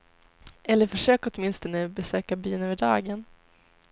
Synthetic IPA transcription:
ɛlːəɾfœʂøːkɔt̪mɪnst̪ɔnəbɛsøːkabyːnøːvəɖɑ̰ːɡən

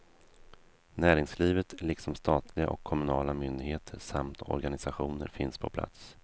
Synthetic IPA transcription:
næːɾɪŋsliːvət̪lɪksɔmst̪ɑːt̪ʰlɪɡa̰ʔɔkʰːɔmɵnɑːlamʏnd̪ɪɡheːt̪ʰəʂamt̪ʰɔ̰ɾɡanɪsaɧuːnə̰ɾfɪnspʰɔpʰla̰t̪s

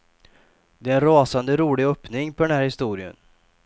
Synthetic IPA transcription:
d̪ɛːɾɛnɾɑːsand̪əɾuːlɪœpnɪŋpʰɔɖ̪ɛnhæːɾhɪst̪uːɾɪə̰n

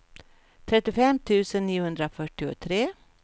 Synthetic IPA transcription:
t̪ʰɾɛt̪ːɪʊfɛmːt̪ʰʉ̟ːsənːiːʊhɵnd̪ɾafœʈːɪʊ̰t̪ʰɾeː

